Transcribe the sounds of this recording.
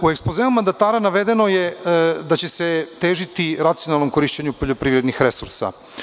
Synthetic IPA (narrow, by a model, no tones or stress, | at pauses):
ue̞ksplozeumand̪at̪aːɾanaʋe̞d̪e̞no̞jed̪at͡ɕe̞set̪e̞ːʒit̪iɾat̪sijo̞nalˠnomko̞ɾiːʃt͡ɕeɲupo̞ʎo̞pɾiːʋɾe̞d̪nixɾe̞sṵɾsa̰